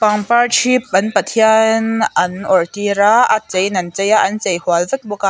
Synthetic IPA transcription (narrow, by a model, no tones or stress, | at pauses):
pɐŋpɐɹt͡ʃʰip̚ɐnpɐt̪ʰiɐnɐnɔɹt̪iɾaat͡sɐjnɐnt͡sɐjaʔɐnt͡sɐjhwalzɪt̪̚bɔka